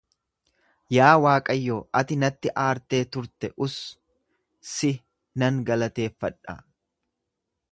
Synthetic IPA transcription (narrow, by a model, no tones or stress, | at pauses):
jaːwaːkʼɐjːoːʔɐt̪ɪnɐt̪ːɪʔaːɾt̪e̞ːt̪ʊɾt̪ɛʔʊs | sɪ | nɐŋɡɐlɐt̪e̞ːfːɐᶑːɐ̰